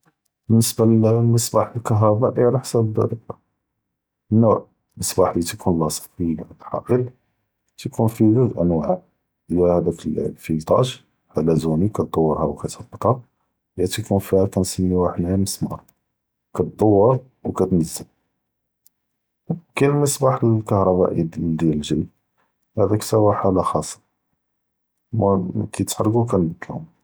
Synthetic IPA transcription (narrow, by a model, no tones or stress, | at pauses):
bənːəsbaləsˤbɑħəlkɑɦɾˤɑbɑʔiʕlaħsæbəd̪æ̰ləq | nːuʕ | nəsˤbɑħlit̪kʰunlːɑsˤə̥t̪fiɡæt̪ħɑ̰ʔəl | t̪kʰunfiɡəd̪ʔənwaʕ | ʔəjæhæd̪æklfit̪ˤɑ̰ʃ | ħalæzunikæt̪̚d̪ˤɑwːəɾˤhæwkæt̪ɑbːət̪ˤhɑ | jæt̪ikunfihækænsənːiwaħəd̪æməsmɑ̰ɾˤ | kæt̪̚d̪ˤɑwːəɾ | wkæt̪nəzːəl | kænməsˤbɑħəlkɑhɾˤɑbæ̰ʔid̪jæləlʒij | hæd̪æksæwaħalæxɑsˤːɑ̥ | mkæt̪ħɾˤɡuk̬ænəbəd̪ːəlhʊm